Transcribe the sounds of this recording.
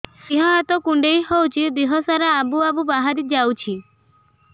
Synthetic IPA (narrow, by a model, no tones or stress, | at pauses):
siɦɔ̃at̪ɔkuɳɖejɦɔwt͡ʃʰid̪iɦɔsaɾaːbuabubaɦaɾid͡ʒawt͡ʃʰi